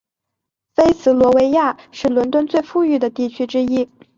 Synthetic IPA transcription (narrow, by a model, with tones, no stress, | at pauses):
fe˥ɪsɹ̩˧˥lwɔ˧˥we˧˥ɪja˥˩ʂɻ̩˥˩lwə˧˥nt̪wə˥nt͡swe˥˧ɪfu˥˧y˥˩d̪ə˩t̪i˥˩t͡ɕʰy˥ʈ͡ʂɻ̩˥i˥